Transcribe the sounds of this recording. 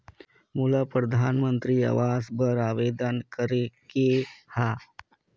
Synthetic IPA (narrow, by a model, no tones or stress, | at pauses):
mulapɾəd̪ʱaːnmənt̪ɾiːa̰ʋaːzbəɾaːʋeːd̪ənkəɾekehaː